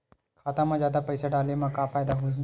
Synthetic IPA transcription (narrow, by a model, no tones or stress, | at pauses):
kʰaːt̪ãːmãzjaːd̪aːpəɪsaɖaːlemãːkaːpaːjd̪aːɦuĩ